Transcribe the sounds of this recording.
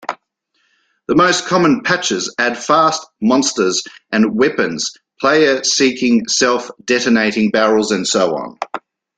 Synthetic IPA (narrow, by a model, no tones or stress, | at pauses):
ðəməʊskʰɒmə̃npʰæt͡ʃəzæd̥fɑˑstmɒ̃nstəzʔə̃nwɛpə̃nz̥ | pʰl̥eɪəsiˑkʰɪ̃ŋsɛlˠfd̥ɛɾəneɪɾɪ̃ŋbæɹəlˠzə̃nsəʊɒ̰̃n